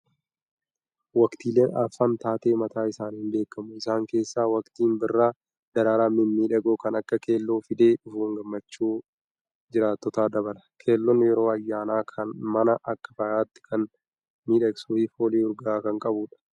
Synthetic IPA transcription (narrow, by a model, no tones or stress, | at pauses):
wɐkt̪iːleːnɐ̰fːaːnt̪aːt̪e̞ːmɐt̪aːɪsaːnhɪnbe̞ːkːɐmʊɪsaːŋke̞ːsːaːwɐkt̪iːnbɪrːaː | d̪ɐɾaːɾaːmɪnmiːᶑɐɡoːkɐnɐkːɐke̞ːlːoːfɪd̪e̞ːᶑʊfuːŋɡɐmːɐt͡ʃːuː | d͡ʒɪɾaːt̪ːɔt̪aːd̪ɐbɐlɐ̥kʰe̞ːlːɔnːɪjɛɾo̞ːɐjːaːnaːkʰɐnmɐnɐʔɐkːɐ̥fɐjaːt̪ːɪ̥kʰɐn | miːᶑɐɡsuːfɪfoːleːɔɾɡɐaːkɐŋkʼɐbʊːᶑɐ̥